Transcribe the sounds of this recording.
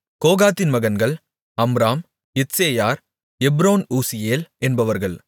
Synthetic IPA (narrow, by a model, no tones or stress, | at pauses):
koːɣaːt̪ːɪnmɐɣɐnɡɐɭ | ɐmɾaːm | ɪt̪seːjaːɾ | ɛbɾoːnuːsɪjeːlɛnbɐʋɐɾɣɐɭ